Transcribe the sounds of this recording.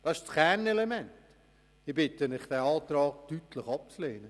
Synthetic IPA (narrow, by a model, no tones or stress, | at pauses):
d̥ɑʃt͡skɛnɛlemɛnt | ɪb̥ɪtənɪχd̥ɛːɑːt̪ɾɑːɡtytləχɑp̚t͡sleːnə